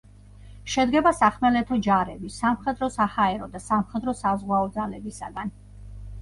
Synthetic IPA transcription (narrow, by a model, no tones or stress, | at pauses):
ʃɛd̪ɡɛbasaχmɛlɛt̪ʰɔd͡ʒaɾɛbisamχɛd̪ɾɔsahaɛɾɔd̪asamχɛd̪ɾɔsazʁwaɔd̪zalɛbisaɡan